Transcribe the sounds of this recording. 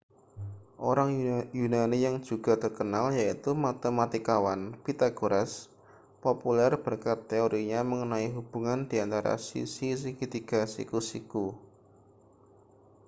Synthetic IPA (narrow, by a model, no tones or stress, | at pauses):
ʔo̰ɾaŋjunanijaŋ̥ʒ̥ṳɡ̥a̤t̪ərkənaljait̪umat̪əmat̪ikawanpit̪aɡ̥oɾɛs | populɛrb̥ə̤rkat̪ːeoɾiɲaməŋənaiɦub̥ṳŋand̥i̤ant̪aɾa̰sḭsis̬ikit̪iɡasḭkusḭku